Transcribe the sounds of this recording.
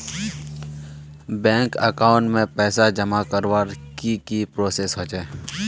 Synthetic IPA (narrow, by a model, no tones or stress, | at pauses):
bɛ̃ːŋkəkaːʊ̃ɳʈmẽpɛːsad͡ʒəmakəɾʋaɾkikipɾoːseːsɦot͡ʃeː